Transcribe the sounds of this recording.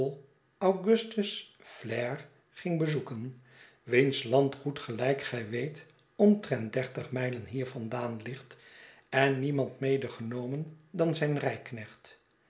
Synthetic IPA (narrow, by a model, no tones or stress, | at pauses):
lˠ | awχɵstəs | flɛɹ | χɪŋbəzukən | ʋinslɑntχutχəlɛjkχɛjʋejt | ɔmtrɛnt̚dɛɹtəχmɛjlənɦiːɹvɑndaːnlɪχt | ɛnːimɑntmejdəχənowməndɑnzɛjnrɛjknɛχt